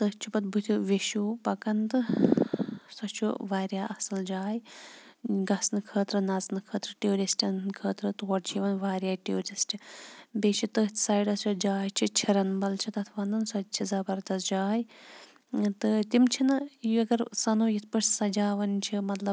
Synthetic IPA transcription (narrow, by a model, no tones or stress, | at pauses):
t̪əht͡ʃʰupɐt̪̚bʱut̪ʰʲuʋeʃuːpɐkɐnt̪ɨ | sɐt͡ʃʰṵʋaːɾjaːʔɐsɨld͡ʒaːj | ɡɐsnɨkʰəːt̪ɾɨnɐznɨkʰəːt̪ɾɨʈioːɾisʈʲɐnkʰəːt̪ɾɨt̪oɐɽt͡ʃʰiʋɐnʋaːɾʲjaːʈuːɾisʈʲibeːt͡ʃʰit̪ɨɦt̪ʰʲsaːjɖɐst͡ʃʰud͡ʒaːjt͡ʃʰit͡ʃʰiɾɐnbɐlt͡ʃʰit̪ɐt̪ʰʋɐnd̪ɐnsɐt͡ʃʰizɐbɐɾt̪ɐsd͡ʒaːj | t̪ɨt̪imt͡ʃʰinɨjuɐɡɐɾsɐnoːjit̪̚ʰpɐʈsɐd͡ʒaːʋɐnt͡ʃʰimɐt̪lɐb